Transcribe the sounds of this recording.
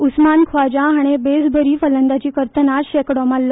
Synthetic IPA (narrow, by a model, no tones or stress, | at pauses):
usmankʰʋad͡ʑaɦaɽ̃ebesbʱəɾiːfələnd̪at͡ɕiːkəɾt̪ənaɕekɽɔmalːɔ